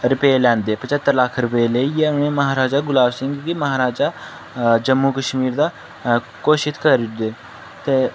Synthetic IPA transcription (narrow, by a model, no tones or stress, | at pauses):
ɾɪpeːlɛ̃ːnd̪eːpət͡ʃət̪ːəɾləkʰɾəpəleiɛːnẽːməɦaːɾaːd͡ʒaːɡʊlaːbsɪ̃ŋɡɡ̪iːməɦaːɾaːd͡ʒaː | d͡ʒəmːuːkəʃmiːɾd̪aː | koːʃɪt̪kəɾd̪eː | t̪eː